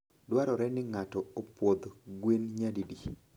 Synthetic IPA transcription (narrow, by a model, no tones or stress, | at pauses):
dwaɾɔɾɛnɪŋatɔopwod̪ɡwenɲadidi